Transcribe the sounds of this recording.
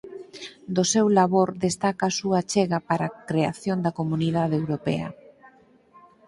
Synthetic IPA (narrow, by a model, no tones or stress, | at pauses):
d̪osewlaβoɾd̪est̪akaːsuat͡ʃeɣɐpaɾakɾeaθjond̪ɐkomuniðaðeewɾopɛ̰ɐ̰